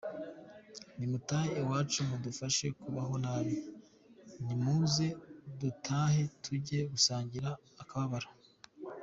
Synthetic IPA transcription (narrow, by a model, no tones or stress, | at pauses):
nimutaːheːwaːt͡ʃumudufaʃe̞kuβaɦo̞naːβi | nimuze̞dutʰaːhe̞tʰuɾɟe̞ɡusaːɲɟiɾaː | kaβaβaɾa